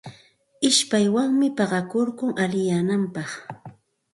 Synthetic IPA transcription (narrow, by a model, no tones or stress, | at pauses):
ɪʃpajwaŋmɪpɑɢɑkoɾkʊŋalɪjaːnampɑχ